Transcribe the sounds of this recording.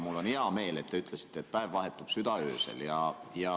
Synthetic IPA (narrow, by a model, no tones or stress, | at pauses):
mulːoniɑmeːlet̪t̪ːeyt̪læsi̥t̪ːet̪̚pæeʋʋɑhet̪ːupsyt̪ɑøːsḛljɑjɑ